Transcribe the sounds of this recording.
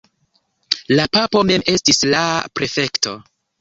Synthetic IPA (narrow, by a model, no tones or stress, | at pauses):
lapapo̞me̞me̞stislapɾe̞fe̞kto̞